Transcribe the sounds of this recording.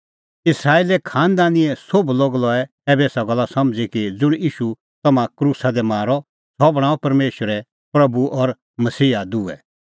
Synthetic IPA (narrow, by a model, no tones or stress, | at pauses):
ɪsɾaːiːlɛkʰaːnd̪aːniɛsobloːɡlɔɛ | ɛːbeːsaɡɐlːasɐmd͡zikid͡zʊɽ̃iːʃu | t̪ɐmãkɾuːsad̪ɛmaːɾɔ | sɔbɽ̃aːɔ̃pɐɾmeːʃəɾɛ | pɾɐbuʔɔɾ | mɐsiːɦad̪uːɛ